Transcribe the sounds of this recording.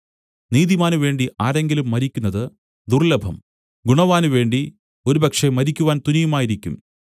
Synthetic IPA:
niːðimaːnuʋe̞ːɳɖiaːɾe̞ŋɡilumːɐɾikʲːunːɐðɨ | d̪urlɐbʱɐ̰m | ɡuɳɐʋaːnuʋe̞ːɳɖi | oɾubɐkʂemɐɾikʲːuʋaːnt̪unijumaːjiɾikʲːṵm

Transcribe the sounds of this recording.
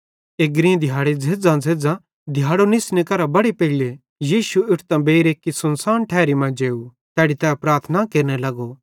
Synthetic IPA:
eɡɾĩd̪ʱɪjaːɽed͡zʱeːd͡zãd͡zʱeːd͡zã | d̪ʱɪjaːɽonɪsnekɐɾabɐɽepeɦile | jiːʃuɪʈʰt̪ãbeːɾeːkːisɐnsaːnʈʰɛːɾimãd͡ʒeːu | t̪ɛːɽit̪ɛːpɾaːɾt̪ʰnakeːɾnelɐɡo

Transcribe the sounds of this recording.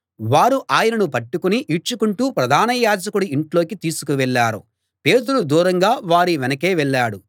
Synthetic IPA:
ʋaːɾuʔaːjɐnɐnupɐʈːukuniʔit͡ʃukuɳʈuːpɾɐd̪ʱaːnɐjaːd͡ʒɐkuɽuiɳʈlo̞ːkit̪iːsukuʋɛɭːaːɾṵ | pe̞ːt̪uɽud̪uːɾɐŋɡaːʋaːɾiʋɛnɐke̞ːʋɛɭːaːɽu

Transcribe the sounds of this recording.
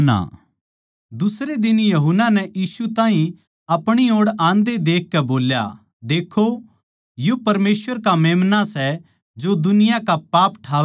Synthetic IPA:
na̰ | d̪ʊsɾed̪ɪnjɐɦʊnːanɛjiːsut̪ãːɦĩ | ɐpɽ̃ioːɽãːnd̪ed̪eːk̚ːɛboːlja̰ | d̪eːkʰːo | jupɐɾmeːsʋəɾkameːmnasɛ | d͡ʒod̪ʊnɪjakapaːpʈʰaːʋ

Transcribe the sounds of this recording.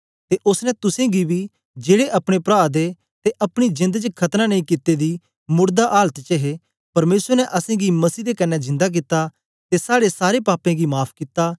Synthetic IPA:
t̪eʔʊsnɛt̪ʊsẽɡibʱi | d͡ʒeːɽeʔɐpɽ̃epɾaːd̪e | t̪eʔɐpɽ̃id͡ʒɪ̃nd̪t͡ʃkʰɐt̪nanɐ̃ĩkɪt̪ːed̪i | mʊɾd̪aʔaːlət̪t͡ʃɐɦe | pɐɾmeːsəɾnɛʔɐsẽɡimɐsiːd̪ekɐnːɛzɪ̃nd̪ak̬ɪt̪ːa | t̪esaːɽesaːɾepaːpẽɡimaːpʰkɪt̪aː

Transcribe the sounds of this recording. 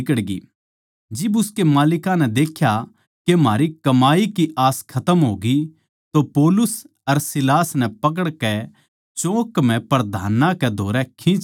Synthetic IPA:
kəɽɡḭ | d͡ʒɪbʊskemaːlɪkãnɛd̪eːkʰja | kem̤aːɾikɐmaːikiʔaːskʰɐt̪əmɦoːɡi | t̪opɔːlʊs | ɐɾsɪlaːsnɛ̃pɐk̬əɽkɛ | t͡ʃõːkm̤ɛ̃pɐɾd̪ʱaːnãkɛd̪ʱoːɾɛkʰĩt͡ʃ

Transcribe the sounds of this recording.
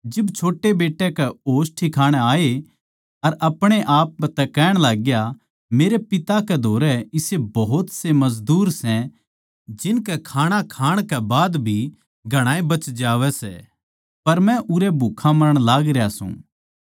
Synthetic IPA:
d͡ʒɪbt͡ʃʰoːʈːebeːʈːɛkɛoːsʈʰikʰaːɽ̃ɛaːe | ɐɾɐpɽ̃eʔaːp̚t̪ɛkɛːɽ̃laːɡja | meːɾepɪt̪akɛd̪ʱoːɾɛɪsebɐɦʊt̪semɐzd̪uːɾsɛ̃ | d͡ʒɪnkɛkʰaːɽ̃akʰaːɽ̃kɛbaːd̪bʱi | ɡʱɐɽ̃aːebɐt͡ʃd͡ʒaːʋɛsɛ̰ | pɐɾmɛ̃ʔʊɾɛbʱukʰãmɐɾəɽ̃laːɡɾejasṵ̃ː

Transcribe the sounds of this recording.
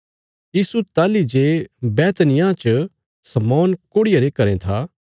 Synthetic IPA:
jiːsut̪aːlid͡ʒebɛːt̪nɪjãt͡ʃə | sɐmɔːnkoːɽɪjaɾekɐɾẽt̪ʰaː

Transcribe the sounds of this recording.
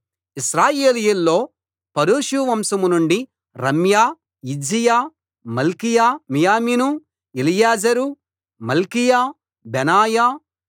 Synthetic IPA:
iʃɾaːjeːlijulːo̞ː | pɐɾuːʃuʋɐmsɐmunuɳɖi | ɾɐmjaː | id͡ʒijaː | mɐlkijaːmijaːmiːnu | ilijaːd͡ʒɐɾu | mɐlkijaː | bɛnaːjaː

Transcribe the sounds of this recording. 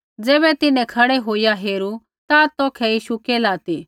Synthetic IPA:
d͡zɛːβɛt̪ɪnɛ̃kʰɐɽɛɦoːijaɦeːɾu | t̪at̪ɔːkʰɛjiːʃukeːlaːt̪i

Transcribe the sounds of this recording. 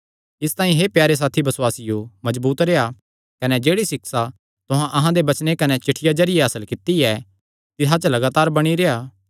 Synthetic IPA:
ɪst̪ãːĩɦepjaːɾes̬aːt̪ʰibɐswaːsɪjomɐd͡ʒbuːt̪ɾeːa | kɐned͡ʒeːɽisɪksa | t̪ʊɦãʔɐɦãd̪ebɐt͡ʃnekɐnɛt͡ʃɪʈʰːɪjad͡ʒɐɾɪjeɐsəlkɪt̪ːiɛ | t̪ɪɦat͡ʃlɐɡaːt̪aːɾbɐɽ̃iɾeaː

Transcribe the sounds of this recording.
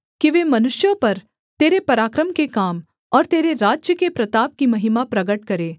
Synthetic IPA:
kiʋeːmɐnʊʃjõpɐɾ | t̪eːɾepɐɾaːkɾəmkekaːm | ɔːɾt̪eːɾeɾaːd͡ʒjəkepɾɐt̪aːp̚kimɐɦɪmapɾɐɡəʈkɐɾeː

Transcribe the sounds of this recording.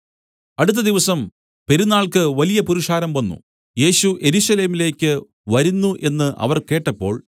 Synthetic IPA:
ɐɽut̪̬ːɐd̪iʋɐsɐm | pe̞ɾunːaːɭkɨʋɐlijɐpuɾuʂaːɾɐmʋɐnːṵ | je̞ːɕuʔe̞ɾuːɕɐle̞ːmile̞ːkʲːɨ | ʋɐɾunːuʔe̞nːɨʔɐ̰ʋɐrke̞ːʈːɐpːo̞̰ːɭ

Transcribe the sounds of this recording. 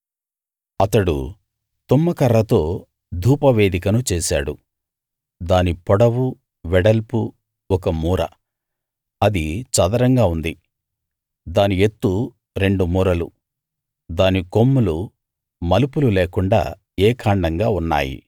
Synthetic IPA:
ɐt̪ɐɽṵ | t̪umːɐkɐɾːɐt̪o̞ː | d̪ʱuːpɐʋeːd̪ikɐnut͡ʃɛːsa̰ːɽu | d̪aːnipɔɽɐwu | ʋɛɽɐlpu | ɔkɐmuːɾɐ̰ | ɐd̪it͡ʃɐd̪ɐɾɐŋɡaːund̪i | d̪aːniet̪ːu | ɾe̞ɳɖumuːɾɐlu | d̪aːniko̞mːulu | mɐlupululeːkuɳɖa̰ː | ɛːkʰaːɳɖɐŋɡaːunːa̰ːjḭ

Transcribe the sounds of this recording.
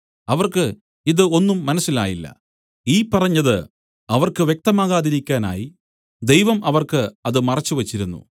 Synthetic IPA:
ɐʋɐrkɨ | iðɨo̞nːumːɐnɐsːila̰ːjilːɐ̰ | iːpɐrɐɲːɐðɨ | ɐʋɐrkɨʋjek̚t̪ɐmaːɣaːðiɾikʲːaːna̰ːji | d̪ejʋɐmʔɐʋɐrkɨɐðɨmɐrɐt͡ɕːuʋɐt͡ɕːiɾunːṵ

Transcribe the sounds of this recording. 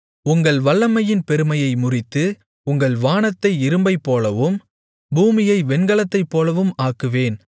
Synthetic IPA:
ʊŋɡɐɭʋɐɭːɐmɐjɪnpɛɾɯmɐjɐɪmʊrɪt̪ːɯ | ʊŋɡɐɭʋaːnɐt̪ːɐɪɪɾɯmbɐɪpːoːlɐʋɯm | buːmɪjɐɪʋɛnɡɐɭɐt̪ːɐɪpːoːlɐʋɯmaːkːɯʋeːn

